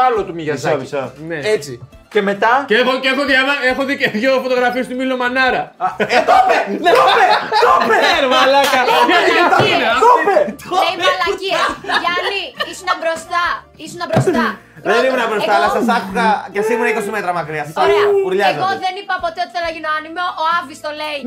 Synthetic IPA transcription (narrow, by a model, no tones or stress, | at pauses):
alot̪umiʝɐsɐisɐneet͡si | cemet̪ɐceexoexoðamɐexoðiceðʝofot̪o̞ɣɾɐfiest̪umilomɐnɐɾɐet̪openeopet̪opeɾvɐlɐkɐiineopeoimɐlɐiɐɐliisunɐbɾost̪ɐ | isunɐbɾosɐ | ðenimenɐbɾost̪alɐsɐsakukɐkesimunɐikosimet̪ɾɐmakɾiɐsɐsauɾʎaðɣoðenipɐpot̪eot̪i̥θenɐʝinoɐnimoʔːavist̪olej